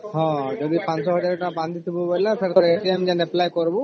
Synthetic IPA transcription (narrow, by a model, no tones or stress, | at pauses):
ɦɔ̃ad͡ʒɔd̪ipãnsɔɦɔd͡ʒaɾʈabãnd̪ʱit̪ʰibɔbɔjlapʰeɾɔɾeʈiemd͡ʒɛneplajkɔɾbɔ